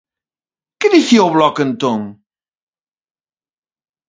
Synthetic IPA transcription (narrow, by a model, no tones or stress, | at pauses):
kɨðiθiɐwβlɔkent̪õŋ